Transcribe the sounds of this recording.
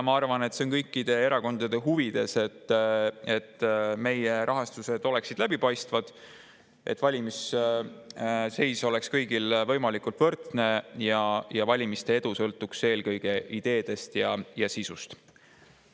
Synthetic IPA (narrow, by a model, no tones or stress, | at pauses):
mɑɑrvɑne̞t̪seonkɤjkːˑid̪̥e̞eɾɑko̞nd̪̥ɑd̪̥e̞ɦuvid̪̥e̞se̞t̪ːe̞t̪ːme̞jeɾʔɑɦɑst̪use̞d̪̥o̞le̞ksid̪̥læbipɑjst̪vɑd̪̥ | ʔe̞̰t̪ːˑvɑlʲimis | se̞jso̞le̞kskɤjɡ̥ilvɤjmɑlikult̪vɤrt̪ne̞jɑjɑvɑlʲimist̪e̞e̞d̪usɤlt̪ːˑukse̞ːlkɤjɡ̥e̞ʔid̪̥e̞ːd̪̥e̞st̪jɑjɑsisust̪